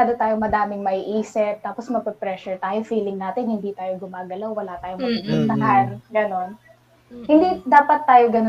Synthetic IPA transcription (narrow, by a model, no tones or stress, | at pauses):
aːd̪ot̪aːjomɐd̪aːmɪŋmɐʔiʔiːsɪp̚t̪aːposmɐpɛpɾɛʃʊɹt̪aːjofiːlɪŋnaːt̪ɪnhɪnd̪it̪aːjoɡʊmaːɡɐlawwɐlaːt̪aːjoŋmɐkiɡpʊnt̪ɐɦanɡɐno̞n | hɪnd̪id̪aːpɐt̪ːaːjoɡɐno